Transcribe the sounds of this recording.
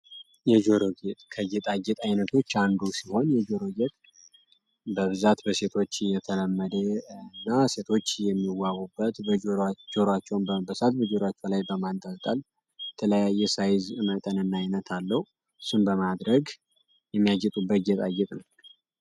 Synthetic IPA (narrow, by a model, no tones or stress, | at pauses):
jɛd͡ʒo̞ɾoɡet̪ʼkʰəɡet̪ʼaɡɛt̪ʼajnət̪ʰo̞t͡ʃːand̪usiho̞njɛd͡ʒo̞ɾo̞ɡet̪ʼ | bəβɨzat̪bəse̞t̪ʰo̞t͡ʃːjɛt̪ʰələmːəd̪əɨnːase̞t̪ʰo̞t͡ʃːjɛmːiwːawubːət̪bəd͡ʒoɾad͡ʒo̞ɾat͡ʃːɛwnbəbəsat̪bəd͡ʒo̞ɾat͡ʃːɛwlajbəmant̪ʼalt̪ʼal | jɛt̪ʰələjajːɛsajzɨmət̪ʼənɨnːajnət̪ʰalːəhu | ɨsunbəmad̪ɾəɡ | jɛmːijad͡ʒɛt̪ʼubːət̪ɡɛt̪ʼaɡɛt̪ʼnəw